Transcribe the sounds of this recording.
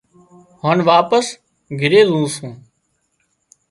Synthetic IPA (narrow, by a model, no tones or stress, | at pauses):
hoːnʋaːpəs | ɡʱɪɾeːzũːsũː